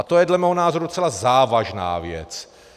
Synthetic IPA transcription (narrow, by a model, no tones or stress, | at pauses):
at̪ojɛdlɛmɛːɦonaːzoɾut͡sɛlazaːvaʒna̰ːvjɛ̰t͡s